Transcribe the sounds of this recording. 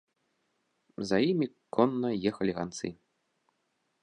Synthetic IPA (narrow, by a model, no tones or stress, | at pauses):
zɐjimʲikɔnːɐjɛxɐlʲiɣant̪sɨ̰